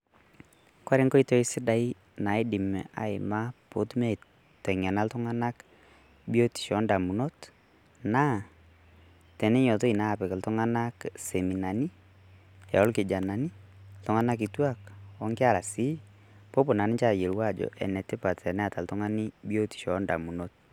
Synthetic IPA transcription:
kwa˦ɾɪ˦ŋkɔ˦i˦to˦i˦sɪ˦da˨˦i˦ | na˨i˦dɪ˨mɛ̰˨ʔa̰˨ɪ̰˨ma˦po˦tmɛ˦˨ | tɛ˨ŋa˨na˦ltʊ˦ŋa˦na˦k | bi˦o˦ti̥˨ʃɔ˨˦nda˨mu˨no˦t | na˦ | tɛ˨nɛ˦ɲɔ˨t̬o˦i˨na˦˨pɛ˨kltʊ˦ŋa˦na˦kse˨mi˨na˨ni˦ | ɛ˨ɔ˦lkɪ˨d͡ʒa˨na˨ni˦ltʊ˦ŋa˦na˦k̬i˨twa˦kɔ˦ŋkɪ˦a˦la˨si˦ | po˦pʊ˨na˨nɪ˦t͡ʃa˦˨je˨lwa˦˨d͡ʒɔ̰˨ʔɛ̰˨nɛ˨tɪ˦pa˨tɛ˨nɛ˦a˨ta˨ltʊ˦ŋa˦ni˦bjo˦ti̥˨ʃɔ˨˦nda̰˨mu˨no˦t̚

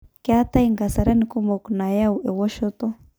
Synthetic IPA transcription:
ke˦a˦t̪a˦iŋɡa˨sa˨ɾe˦ni˨ku˦mbo˨kna˨ja˦ue˨wo˦ʃo˦t̪o˦

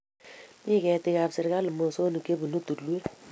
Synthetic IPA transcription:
mi˦kɛ˨tɪ˦ka˨bsɪ˨ɾka˦lu˨mo˨so˦nu˨ke˦bu˨nu˦tu˨tlwe˦

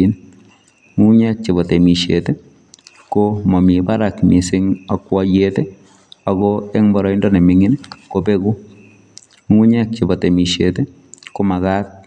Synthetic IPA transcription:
in | ŋu˦ɲɛ˦k̚t͡ʃɪ˨bɔ˨te˨mi˨ʃete˦ | komɔ˨mi˨baɾakmi˨sɪ˦ŋa˨kːwɔjetɛ˦ | a˨ɡɔɛ˦ŋbɔ˨ɾɔ˨i˦ndɔ˦nɛ˨mɪŋɪnkobeku˦ | ŋu˦ɲɛ˦k̚t͡ʃɪ˨bɔ˨te˨mi˨ʃete˦ | ko˦ma˨ɣa˦t̪̚

